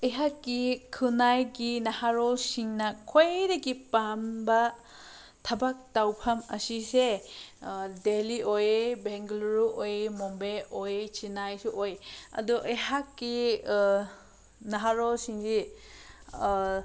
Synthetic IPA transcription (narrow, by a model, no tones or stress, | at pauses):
ejɦakːikʰɯnajɡinahaɾɔlsiŋnɐkʰojdaɡipambɐ | tʰabak̚tawpʰamɐ̰sise | deliojebeŋɡluɾuʔojemɔmbeojet͡ʃinajsuʔojɐ̰duʔejɦakːi | naɦaɾɔlsiŋzi